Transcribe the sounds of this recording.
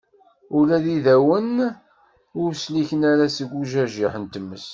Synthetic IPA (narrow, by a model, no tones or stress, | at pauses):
ʊlæðiðæwən | ʊɾsliçənæɾæsəɡʷuʒæʒiħənt̪əmːəs